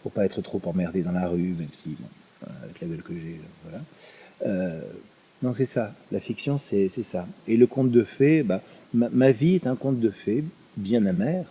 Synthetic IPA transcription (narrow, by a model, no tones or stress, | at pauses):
puʁpaɛt̪χət̪χopɑʁmɛʁd̪ed̪ɑ̃laʁymɛmsibɔ̰̃ | a̰vɛklavɛlkəʒeøvwalaø | nɔ̃sɛsalafiksjɔ̃sɛsɛsaeləkɔ̃t̪̚d̪əfɛbamamaviɛt̪ɛ̃kɔ̃t̪̚d̪əfɛ | bjɛ̃namɛːʁ